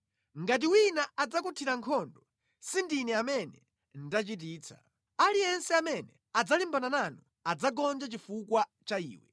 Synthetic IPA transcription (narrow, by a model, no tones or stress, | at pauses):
ŋɡat̬iwinaad͡zakutʰiɾaŋkʰɔndɔ | sindinɛamɛnɛ | n̩dat͡ʃit̬iːt͡sʰḁ̰ | alijɛnsɛamɛnɛ | ad͡zalimbanananɔ | ad͡zaɡɔnd͡ʒat͡ʃifukwat͡ʃaḭːwɛ